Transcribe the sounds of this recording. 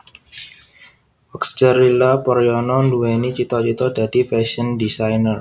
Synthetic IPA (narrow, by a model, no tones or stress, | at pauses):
ɔkst͡ʃəɾilapɔɾjɔnɔnduwenit͡ʃit̪ɔt͡ʃit̪ɔdad̥i̤pɛsəndisajnər